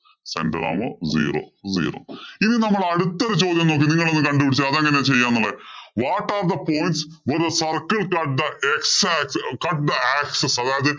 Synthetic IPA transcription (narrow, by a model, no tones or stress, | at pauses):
sḛndɐ̰ɾa̰ːmo̰zḭːro̰ːzḭːro̰ːininɐmːɐɭɐɽut̪ːɐɾut͡ɕo̞ːd̪jɐmnoːk̬ːiniŋːɐɭo̞nːɨkɐɳɖupːiɽit͡ɕːuɐðɐŋːɐnet͡ɕe̞jːaːnːɐlːeʋaːʈːaːrd̪ɐpoːjnʈs | ʋɐɾðsɐrkːɐɭkɐʈ̚d̪ɐeksakskɐʈd̪ɐaːksesɐðeɐðɨ